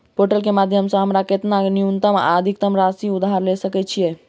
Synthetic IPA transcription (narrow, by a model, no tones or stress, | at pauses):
poʈəlkemad̪ʱjəmsə̃ɦəmɾaket̪naniunt̪əm̰ad̪ʱik̚t̪əmɾasiud̪ʱaɾlesəkɛt͡ʃʰijɛ